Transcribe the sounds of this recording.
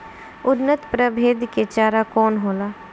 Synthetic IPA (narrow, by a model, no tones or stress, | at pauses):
ʊnːət̪pɾəbʱeːd̪ket͡ʃaːɾakɔːnɦoːlaː